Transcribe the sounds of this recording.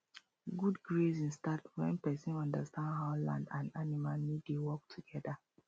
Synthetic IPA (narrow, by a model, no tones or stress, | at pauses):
ɡudɡɹesĩnstadwɛ̃npɛsĩnɔ̃ndəstʰãndɦaʊlã̰ndãnanimalnidewɔk̚tʰuɡ̥ɛda